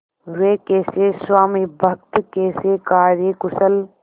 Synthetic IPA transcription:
ɾeːkeːseːswaːmibʱɐk̚t̪keːseːkaːɾekʊsəl

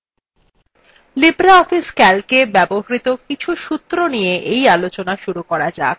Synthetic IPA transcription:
libɾaɔfiskɛlkebɛboɦaɾit̪okit͡ɕʰuʃut̪ːɾonijeʔejalot͡ɕonaʃuɾukɔɾad͡ʑa̰k̚

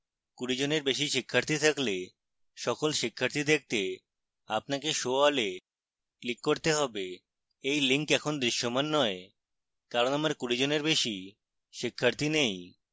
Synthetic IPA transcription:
kuɾid͡ʑoneɾbeʃ̬iʃikʰːaɾt̪ʰit̪ʰakle | ʃɔkolʃikʰːaɾt̪ʰid̪ek̚ʰt̪e | apnakeʃoale | klikːoɾt̪eɦɔbe | ejliŋkɛkʰond̪ɾiʃːomanːɔe | kaɾonamaɾkuɾid͡ʑoneɾbeʃi | ʃikʰːaɾt̪ʰinej

